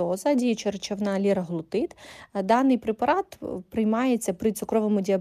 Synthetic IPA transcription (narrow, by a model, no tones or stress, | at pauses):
ɔzɐdʲit͡ʃert͡ʃɐʋnɑlʲiɾɐɦlˠʊt̪ɪt̪d̪ɑnɪjpɾepɐɾɑt̪pɾɪjmɑjet͡sʲːɐpɾɪsʊkɾɔʋomʊdʲiɐb